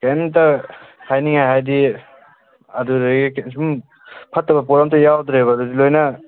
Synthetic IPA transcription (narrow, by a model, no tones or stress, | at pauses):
kamtakʰajniŋhajɦajdi | ɐduɾɡsum | pʰɐtːɐbɐpɔɾamtʰujawd̪ɾebɐdudilojnɐ